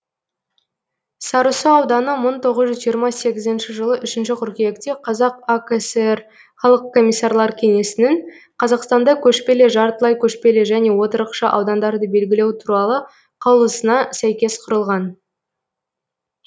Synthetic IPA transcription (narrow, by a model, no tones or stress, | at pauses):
sɑɾusəɑwd̪ɑnəməɴt̪ʰo̞ʁəzʒʏzʒijəɾmɑse̞ɡʲɪzɪnʃɪʒəlˠəʔʏʃɪnʃɪqʰʏɾkʲejekt̪e̞qʰɑzɑqoksɾ | χɑlˠəqkʰːo̞mʲːijsːɑɾlˠɑɾkʲʰe̞ŋe̞sɪnɪŋ | qʰɑzɑqst̪ɑnd̪ɑkʲʰɵʃpe̞le̞ʒɑɾt̪əlˠɑjkʲʰɵʃpe̞le̞ʒæne̞wo̞t̪əɾəqʃɑʔɑ̰wd̪ɑnd̪ɑɾd̪əbe̞lɡʲɪle̞wt̪ʰuɾɑlˠə | qʰɑwlˠəsənɑsæjkʲe̞sqʰʊɾəlˠʁɑn